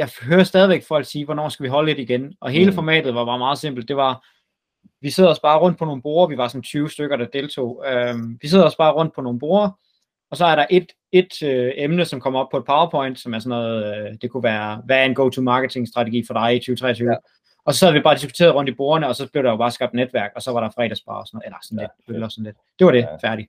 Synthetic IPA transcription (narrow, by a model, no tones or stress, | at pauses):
jɑɪɦøːɐsd̥ɛð̞ˠiʋeɡ̥fɒ̽l̰ɡ̥siːʋɒnɒ̰ːsɡ̥æʋiɦɒ̽ləle̝dɾ̥iɡ̥enʔɒ̽ɦe̝ːləfɒmɛ̰ːd̥ð̩ˠʋɑ̈b̥ɑ̈ːmɑ̈ːð̞̩ˠse̝m̰b̥l̩d̥ːe̝ʋɑ̈ | ʋiseðˠɒ̽sb̥ɑ̈ːʁɔ̽n̰d̥̚pʰɒ̽no̝ːn̩b̥o̝ːɐʋiʋɑ̈sɒ̽n̩t͡sʰyːʊsd̥øɡ̥ɐɾ̥ɑ̈d̥e̝lt͡sʰo̝̰ːømʋiseðˠɒ̽sb̥ɑ̈ːʁɔ̽n̰d̥̚pʰɒ̽no̝ːnb̥o̝ːɐ | ɒ̽sɒ̽æɐɾɑ̈ʔe̝d̥ | e̝d̥øemnəsɒ̽mkʰɒ̽mɒ̽b̥pʰɒ̽e̝̥pʰɑ̈ʊɐpʰɒ̽ɪ̰nd̥sɒ̽mæɐsɔ̽nɔːðˠd̥e̝kʰuʋæːɐʋæːɐe̝nɡ̥oʊt͡sʰumɑ̈ːɡ̥ət͡sʰe̝ŋsd̥ʁɑ̈t͡sʰeɡḭːfɒd̥ɑ̈ɪit͡sʰyːʊət͡sʰʁɛ̰ːɐt͡sʰyːʊ | ʔɒ̽sɒsæð̞̩ˠʋib̥ɑ̈ːd̥is̬ɡ̥u̥t͡sʰe̝ːɐðˠʁɔ̽n̰d̥ib̥o̝ːɐnəɒ̽sɒ̽b̥le̝ʊɾ̥ɑjob̥ɑ̈ːsɡ̥ɑ̈b̥̚d̥ned̥ʋæɐɡ̥ɒ̽sɒ̽ʋɑ̈ɾɑ̈fʁɛ̰ːɾ̥æsb̥ɑ̰̈ːɒsɒn̩ˠelɐsɒn̩led̥ølɐsɒn̩le̝d̥d̥eʋɑ̈ɾ̥efæɐɾi